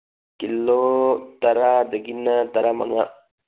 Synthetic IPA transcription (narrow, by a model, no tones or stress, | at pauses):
kilːot̪ɐɾad̪eɡinːət̪ɐɾamɐ̰ŋa